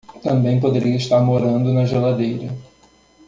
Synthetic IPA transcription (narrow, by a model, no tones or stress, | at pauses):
t̪ɐ̃mbẽj̃pod̪eɾiɐiʃt̪aɾmoɾɐ̃nd̪ʊnɐʒelad̪ejɾɐ